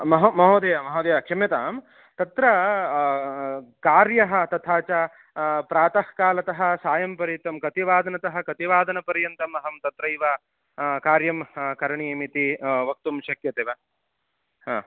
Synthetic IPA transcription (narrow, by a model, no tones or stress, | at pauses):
mɐɦɐmɐɦoːd̪ɐjamɐɦɐːd̪ɐjakʰɐmɐt̪aːm | t̪ɐt̪ɾɐ | kaːɾjɐɦɐ̆t̪ɐt̪ʰaːt͡ʃɐ | pɾaːt̪ɐhkaːlɐt̪ɐɦɐ̆saːjɐmpɐɾjɐt̪ɐmkɐt̪iʋaːd̪ɐnɐt̪ɐɦɐ̆kɐt̪iʋaːd̪ɐnɐpɐɾjɐnt̪ɐmɐɦɐmt̪ɐt̪ɾɐiʋa | kaːɾjɐmkɐɾɐɳiemit̪iʋɐk̚t̪umʃɐkjɐt̪eːʋɐ | ɦaː